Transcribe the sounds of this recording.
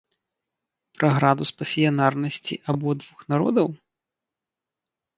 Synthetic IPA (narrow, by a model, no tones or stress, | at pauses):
pɾɐɣɾad̪uspɐsʲijɐnarnɐsʲt͡sʲḭʔabɔd̪vuxnaɾɔ̰d̪ɐw